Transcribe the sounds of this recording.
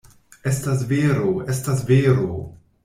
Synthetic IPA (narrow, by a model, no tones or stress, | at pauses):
e̞stas̬veɾoe̞stas̬veɾo